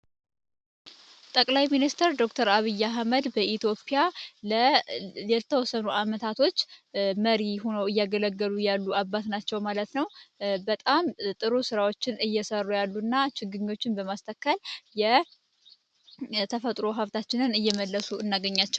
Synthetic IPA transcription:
t̪ʼəkʼlajminist̪ʰəɾd̪o̞kt̪ʰəɾaβɨjːaɦməd̪bəʔit̪ʰjo̞pʼijalə | ɛt̪ʰəwɔsːənuʔamət̪ʰat̪ʰo̞t͡ʃːməɾiho̞nəwɨjːaɡələɡːəlujalːuabːat̪nat͡ʃːɛwmalət̪nəwbət̪ʼamt̪ʼɨɾusɨɾawo̞t͡ʃːɪnɨjːɛsərːujalːuɨnːat͡ʃɪɡɨɲːo̞t͡ʃːɪnbəmast̪ʰəkːəljɛ | t̪ʰəfət̪ʼɾo̞ɦəft̪ʰat͡ʃːɪnɨnɨjːɛməlːəsuɨnːaɡəɲːat͡ʃːɛw

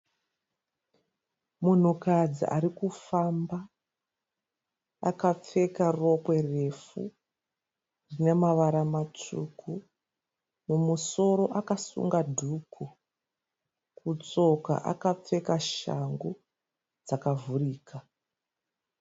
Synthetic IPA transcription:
mun̤ukad͡zḭʔa̰ɾikufamba | a̰kap͡fe̞karo̞kwe̞re̞fṵ | rinemaʋaɾamat͡ʂṵkʰu | mumuso̞ɾo̞ʔakasṵŋɡadʱukʰu | kut͡so̞ka̰ʔa̰kap͡fe̞kaʃa̰ŋɡu | d͡zakavuriːkʰa

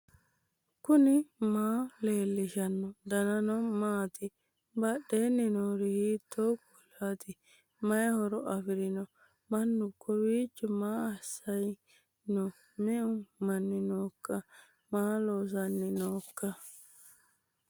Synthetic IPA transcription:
kʊnɪmaːle̞ːlːɪʃɐnːɔd̪ɐnɐnɔmaːt̪ɪ | bɐɗeːnːɪnoːɾɪhiːt̪ʰːoːkɔlːat̪ɪ | mɐjhɔɾɔʔɐfɪɾɪnɔ | mɐnːʊkʰːɔwiːt͡ʃːɔmaːɐsːɐj | nɔ | mɛʊmɐnːɪnoːkːɐ | maːloːs̬ɐnːɪnoːkːɐ

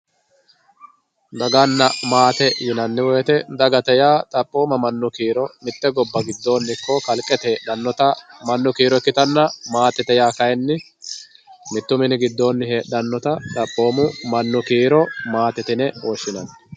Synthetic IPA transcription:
d̪ɐɡanːɐmaːt̪ɛjɪnɐnːɪwɔjt̪ɛd̪ɐɡɐt̪ɛjaːt̪ʼɐpʼːo̞ːmɐmɐnːʊkiːɾɔmɪt̪ːɛɡɔbːɐɡɪd̪ːo̞ːnːɪkːɔkɐlkʼːɛt̪eːɗɐnːɔt̪ɐmɐnːʊkiːɾɔkːɪt̪ɐnːɐmaːt̪ɛt̪ɛjaːkɐjɛnːɪ | mɪt̪ːʊmɪnɪɡɪd̪ːo̞ːnːɪheːɗɐnːɔt̪ɐt̪ʼɐpʼːo̞ːmʊmɐnːʊkiːɾɔmaːt̪ɛt̪ɪnɛwɔʃːɪnɐnːɛ

